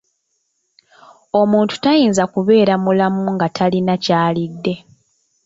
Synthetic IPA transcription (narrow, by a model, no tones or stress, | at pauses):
o̞muːntu̥tajiːnzakuβe̞ːɾamulamuŋɡatʰalinacaːlidːe̞